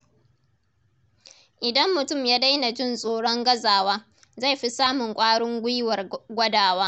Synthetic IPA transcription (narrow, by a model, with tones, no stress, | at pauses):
ʔɪ˨dɐ˦mːʊ˨tʊ˦˨mjaː˦da˦jna˨d͡ʒɪ˦˨nsʼoː˦ɽɔ˦ŋɡɐ˦zaː˨waː˦ | za˦˨jɸi˦saː˦mʊ˨ŋkʷʼaː˦ɽʊ˦ŋɡʷʊ˦jwɐ˨rɡʷɐ˦daː˨waː˦